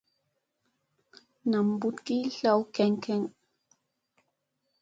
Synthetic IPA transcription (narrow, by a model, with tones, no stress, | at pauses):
na˨mbu˦t̪ki˦ɬa˦wkɛ˨ŋkɛ˦ŋ